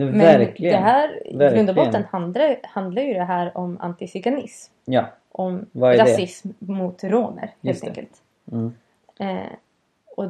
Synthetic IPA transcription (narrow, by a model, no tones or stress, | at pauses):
mɛæɾɪɡd̪ɛɦæːɾɡɾɾɵnd̪bɔt̪ːənhand̪lahand̪laɾjɵd̪ɛɦæːɾɔma̰nt̪ɪsɪɡanɪ̰smjɑ | ʔɔmvaɾasɛɪsmːʊt̪ɾoːnə̰ɾheːt̪ɛ̰kə̰lt̪ː | ɛ | ʔɔ